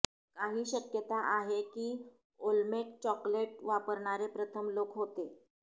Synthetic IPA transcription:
kaɦiːɕəkjət̪aʔaɦekiː | olmeʈ̚t͡ɕɔkleʈ̚ʋapəɾɳ̃aɾepɾət̪ʰəmlokɦot̪e

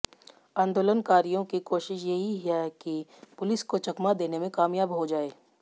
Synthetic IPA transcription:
ãːnd̪oːlənkaːɾijõkikoːʃɪʃjɐɦiɦɛkipʊlɪskot͡ʃɐkmad̪eːnemẽkaːmjaːbɦod͡ʒaːeː

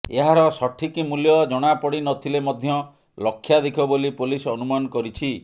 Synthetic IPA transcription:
eɦaɾɔsɔʈʰikimuljɔd͡ʒɔɽ̃apɔɽinɔt̪ʰilemɔd̪ʱjɔ | lɔkʰːjad̪ekʰɔbolipolisɔnumanɔkɔɾit͡ʃʰi

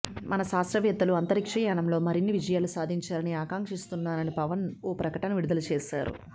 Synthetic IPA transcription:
mʔɐnɐʃaːsɾɐʋjɐt̪ːɐluɐnt̪ɐɾikʂɐjaːnɐmlo̞ːmɐɾinːiʋid͡ʒɐjaːlusaːd̪ʱiɲt͡ʃaːlɐniaːkaːŋkʂist̪unːaːnɐnipɐʋɐnoːpɾɐkɐʈɐnɐʋiɽud̪ɐlut͡ʃeːʃa̰ːɾṵ

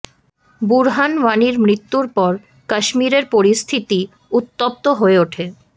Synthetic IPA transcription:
buɾɦanʋaniɾmɾit̪ːuɾpɔɾ | kaʃmiɾeɾpoɾist̪ʰit̪i | ut̪ːop̚t̪oɦoeoʈʰe

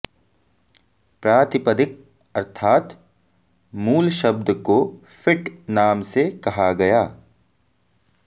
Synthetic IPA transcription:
pɾaːt̪ɪpəd̪ɪk̚ | ɐɾt̪ʰaːt̪ | muːlʃɐb̚d̪ko | fɪʈnaːmsekɐɦaɡɐjaː

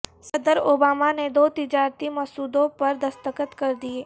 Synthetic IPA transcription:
sɐd̪əɾoːbaːmaned̪oːt̪ɪd͡ʒaːɾt̪imɔsuːd̪õpɐɾd̪ɐst̪əkət̪kɐɾd̪ieː

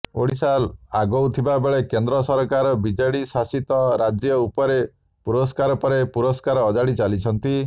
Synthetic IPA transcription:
o̰ɽisalaɡɔwt̪ʰibabeɭekend̪ɾɔsɔɾkaɾɔbid͡ʒejɽisasit̪ɔɾad͡ʒjɔupɔɾe | puɾɔskaɾɔpɔɾepuɾɔskaɾɔːd͡ʒaɽit͡ʃalit͡ʃʰɔnt̪i

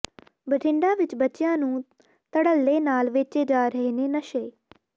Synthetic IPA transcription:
bəʈʰɪ̃ɳɖaːʋɪt͡ʃbətːt͡ʃːjãːnũː | t̪əɽəlːeːnaːlʋeːt͡ʃeːd͡ʒaːɾəɦeneːnəʃeː

